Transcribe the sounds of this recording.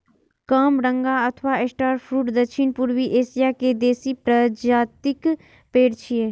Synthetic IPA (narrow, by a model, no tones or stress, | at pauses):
kaːmɾə̃ŋɡaɐt̪ʰʋaesʈaːɾpʰɾuːʈd̪əkʃʰɪnpʊɾʋiʔeːsijaked̪eːsipɾəd͡ʒaːt̪ɪk | peːɾt͡ʃʰieː